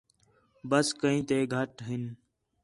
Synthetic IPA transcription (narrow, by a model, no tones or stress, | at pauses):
bəskəɦĩːt̪eːɡʱəʈɦɪn